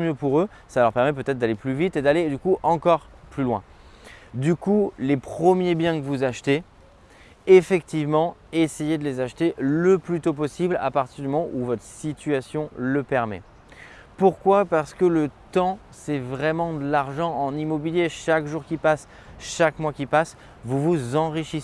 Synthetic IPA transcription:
mjøpuʁø | salœʁpɛʁmɛp̬øt̪ɛt̪χ̚d̪aleplyvit̪ed̪aled̪ykuʔɑ̃kɔʁplylwɛ̰̃ | d̪ykulepχəmjebjɛ̃kəvuzaʃt̪e | efɛkt̪ivmɑ̃esejed̪əlezaʃt̪eləplyt̪op̬ɔsibla̰paʁt̪iʁd̪ymɔmɑ̃ʔuvɔt̪χəsit̪yasjɔ̃ləpɛʁmɛ̰ | puʁkwapaʁsə̥kələt̪ɑ̃ | sɛvʁɛmɑ̃d̪əlaʁʒɑ̃ʔɑ̃nimɔbiljeʃakʒuʁkʲipas | ʃakmwakʲipas | vuvuzɑ̃ʁiʃis

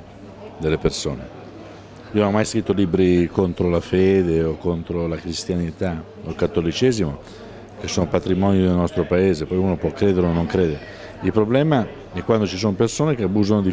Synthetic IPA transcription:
d̪elːepersoːne | ionoɔmːajskɾit̪ːoliːbɾikont̪ɾolafeːd̪eokːont̪ɾolakɾist̪janit̪a | olkat̪ːolit͡ʃɛːzimo | k̟esoːnopat̪ɾimɔːnid̪elnɔst̪ɾopaeːzepɔjuːnopwɔkːɾeːd̪eɾeonːoŋkɾeːd̪eɾe | ilpɾoblɛːma | ɛkwand̪ot͡ʃis̬oːnopersoːnek̟eabuːzanod̪i

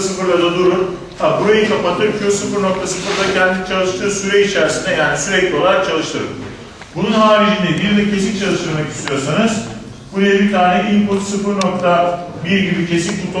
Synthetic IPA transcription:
sɯfɯɾlˠad̪ad̪uɾɾum | abuɾajɯkʰapat̪ʰɯɾkʰosɯfɯɾno̞k̚t̪ʰasɯfɯɾt̪ˠacʰɛnd̪init͡ʃʰalˠɯʃt̪ʰɯːsyɾɛit͡ʃʰæɾsind̪ɛjaːnisyɾɛclʲio̞lˠaɾak̚t͡ʃʰalˠɯʃt̪ʰɯɾɯ̰m | bununhaːɾid͡ʒind̪ɛb̪ild̪ɯcʰe̞sint͡ʃʰalˠɯʃt̪ɯɾmacist̪ʰijo̞ɾsanɯz | buɾajabit̪ʰaːnɛʔilʲpʰot̪sɯfɯɾno̞k̚t̪ʰa | biɾɟibʲicʰe̞sinʲfut̪ʰo

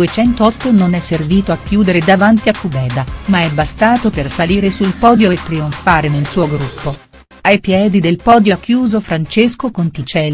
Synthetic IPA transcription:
uet͡ʃɛnt̪oɔt̪ːononɛsːerviːt̪oakːjuːd̪eɾed̪avant̪iakːubɛːd̪amaɛbːast̪aːt̪opersaliːɾesulpɔːd̪joet̪ːɾioɱfaːɾenelsuːoɡɾupʰːo | ajpjɛːd̪id̪elpɔːd̪jokːjuːzofɾant͡ʃeskokont̪it͡ʃɛl

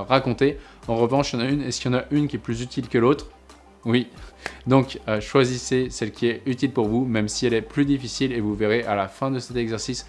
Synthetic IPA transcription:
ʁakɔ̃t̪e | ɑ̃ʁəvɑ̃ʃjɑ̃naynɛskjɑ̃naʔynkʲiɛplyzyt̪ʰilkəlot̪χ | wid̪ɔ̃køʃwazisesɛlkʲʰiɛyt̪ilpuʁvumɛmsiɛlɛplyd̪ifisilevuveʁeʔalafɛ̃d̪əsɛt̪ɛɡzɛʁsis

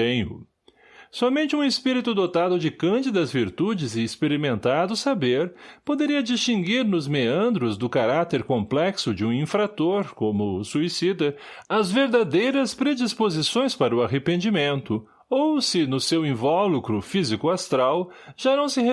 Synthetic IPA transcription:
ẽj̃ʊ̰ | sɔmẽnt͡ʃɪũispiɾit̪ʊd̪ot̪ad̪ʊd͡ʒɪkɐ̃d͡ʒɪd̪ɐzviɾt̪ud͡ʒɪzɪːspeɾimẽnt̪ad̪ʊsabeɾpod̪eɾiɐd͡ʒist͡ʃĩŋɡiɾnʊzmeɐ̃nd̪ɾʊzd̪ʊkaɾat̪eɾkõmplɛksʊd͡ʒɪũĩfɾat̪oɾkõmʊsuisid̪ɐ | ɐzveɾd̪ad̪ejɾɐspɾed͡ʒispozisõj̃spaɾɐʊaɦepẽnd͡ʒimẽnt̪ʊ | owsɪnʊsewĩvɔlukɾʊfizikʊast̪ɾawʒ̥anɐ̃w̃sɪɦe

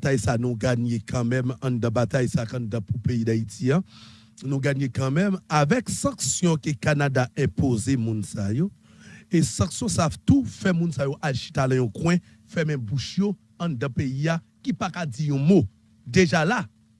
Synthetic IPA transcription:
tajsanũɡaɲekʰɐ̃mɛ̃mɐ̃d̪ɐ̃bat̪ajsakɐ̃dɐ̃pupeidaitia | nũɡaɲekɐ̃mɛ̃mavɛksɐ̃ksjɔ̃kekanadaɛ̃pozemũnsajo | esɐ̃ksjɔ̃satufɛmũnsajoʔaʃit̪alɛ̃jɔ̃kwɛ̃ | fɛmɛ̃mbuʃjo | ɐ̃d̪ɐ̃peia | kipakad͡zijũmo | d̪eʒala

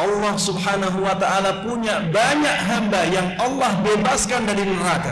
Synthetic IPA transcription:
ʔɑlːɑhsubɦanaɦuwat̪aalapuɲabaɲaʔɦambajaŋʔɑlːɑhbebaskandaɾinəɾaka

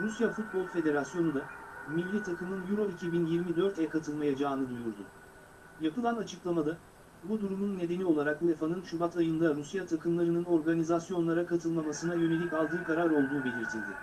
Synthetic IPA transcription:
ɾusjafut̪̚bo̞lˠfe̞d̪e̞ɾasjo̞nud̪amivlʲit̪ʰakʰɯmɯnjuɾo̞icʰibinjiɾmid̪ø̞ɾt̪ʰɛkʰat̪ʰɯlˠmajad͡ʒaːnɯd̪ujuɾd̪ʊ̰ | japʰɯlˠanat͡ʃʰɯklˠamad̪a | bud̪uɾumunːe̞d̪e̞nio̞lˠaɾaklˠefanɯnʃubat̪ʰajɯnd̪aɾusjat̪ʰakʰɯmlˠaɾɯnɯno̞ɾɡanizasjo̞nlˠaɾakʰat̪ʰɯlˠmamasɯnajø̞ne̞lʲicalˠd̪ɯːkaɾaɾo̞lˠd̪uːbe̞lʲiɾt̪ʰilʲd̪ɪ

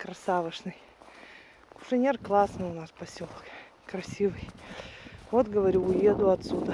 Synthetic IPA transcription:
kɾɐsavɨʂnɨj | kʊ̥ʂɨnʲerklˠasnɨjʊnaspɐsʲolˠk | kɾɐsʲivɨj | vot̪ɡəvɐɾʲuːje̞d̪ʊɐt̪sud̪ə

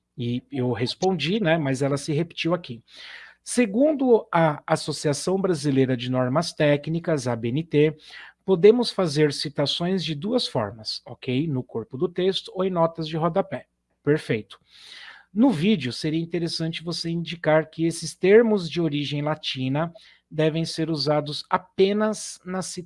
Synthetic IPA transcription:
ɪewɦespõd͡ʒinɛmɐzɛlɐsɪɦepi̥t͡ʃiwakiseɡũnd̪ʊɐasosiasɐ̃w̃bɾazilejɾɐd͡ʒɪnɔɾmɐst̪ɛknikɐzɐbeẽnɪt̪epod̪ẽmʊsfazeɾsit̪asõj̃zd͡ʒɪd̪uɐsfɔ̰ɾmɐsɔkejnʊkoɾpʊd̪ʊt̪est̪ʊoẽj̃nɔt̪ɐzd͡ʒɪɦɔd̪ɐpɛ | peɾfejt̪ʊ̥ | nʊvid͡ʒɪʊseɾiɐĩnt̪eɾesɐ̃nt͡ʃɪvoseĩd͡ʒikaɾkɪesɪst̪eɾmʊzd͡ʒɪoɾiʒẽj̃lat͡ʃĩnɐ | d̪ɛvẽj̃seɾuzad̪ʊzapẽnɐznɐsi

